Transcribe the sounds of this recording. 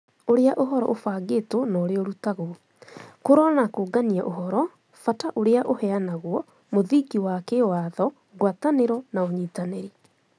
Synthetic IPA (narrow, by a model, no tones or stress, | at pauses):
oɾeaʔoɦɔɾɔʔofaːɡetonɔːɾeɔɾutaɣo | koɾɔnakoːɡaniaʔoɦɔɾɔ | fataʔoɾeaʔohɛanaɣwɔ | moðiɡiwakewaðɔ | ɣwataneɾɔnaoɲiːtaneɾi